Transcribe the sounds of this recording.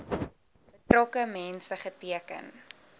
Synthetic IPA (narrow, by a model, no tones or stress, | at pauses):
bətrɔkəmɛnsəχətiəkə̰n